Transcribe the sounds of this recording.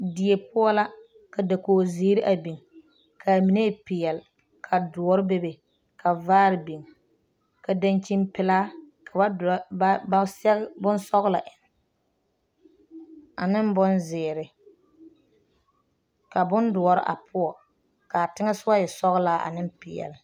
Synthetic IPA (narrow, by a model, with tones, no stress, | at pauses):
di˨e˨pʊ˦ɔ˦la˦ | ka˨da˨koː˨zɪː˨˦ɾɪ˦ʔa˨bi˨ŋ | kʰa˨mi˨ne˦˨pɪ˨jɛ˨l | kʰa˨dʊ˨ɔ˨ɾɪ˦be˦be˨ | kʰa˨vaː˦ɾɪ˨bi˨ŋ | ka˨da˦nt͡ʃi˦mpɪ˦laː˦ | kʰa˨ba˦ba˦sɛ˦ɣbʊ˦n˦sɔ˦ɣʊ˦la̰˨ʔɪ˨n˨ | a˨nɪ˦m˦bʊ˦nzɪː˨ɾɪ˨ | ka˨bʊ˦ndʊ˨ɔ˨ɾɪ̰˦ʔa̰˨pʰʊ˦ɔ˨ | ka˨tɪ˦ŋɛ˦sʊ˦ba˦jɛ˨sɔ˦ɣʊ˦laː˦ʔa̰˨nɪ˦m˦pɪ˨ɛ̰˨lɪ˨